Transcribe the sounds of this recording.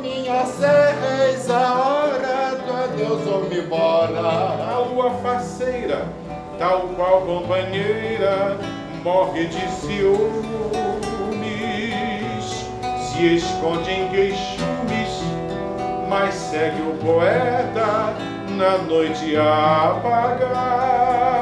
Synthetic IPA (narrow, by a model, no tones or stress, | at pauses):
mĩɲɐsevezɐɔɾɐt̪uɐd̪ewzomɪbɔɾɐɐluɐfasejɾɐ | t̪awkwawkõpɐ̃ɲejɾɐ | mɔʁɪd͡ʒɪsi | mi | s | sɪeskõnd͡ʒẽj̃kejʃũmɪs | massɛɡɪʊpoɛt̪ɐ | nɐnojt͡ʃɪapaɡa